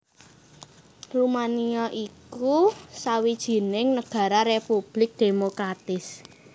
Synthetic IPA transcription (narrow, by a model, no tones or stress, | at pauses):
rumaniɔʔikusawid̥ʒ̥i̤nɪŋnəɡ̥a̤ɾaɾepub̥lɪk̚d̪̥emokɾat̪ɪs